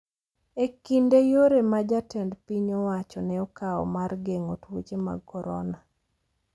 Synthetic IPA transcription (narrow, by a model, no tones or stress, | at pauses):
ekindejoɾemad͡ʒatɛndpiɲɔwat͡ʃɔnɛɔkaɔ̰marɡeŋotwot͡ʃema̰kɔɾɔ̰na